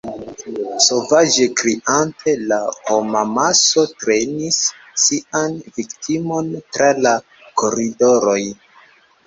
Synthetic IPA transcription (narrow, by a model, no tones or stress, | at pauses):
so̞vad͡ʒekɾiʔante̞lahomamaso̞tɾe̞nisː | ianviktʰimo̞ntɾala | ko̞ɾido̞ɾo̞j